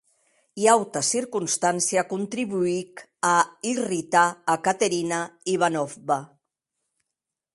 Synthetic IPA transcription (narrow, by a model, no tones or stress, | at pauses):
iawt̪əsiɾkunst̪ansiakunt̪ɾiβuikairit̪aːkat̪əɾinaiβ̞anɔfβa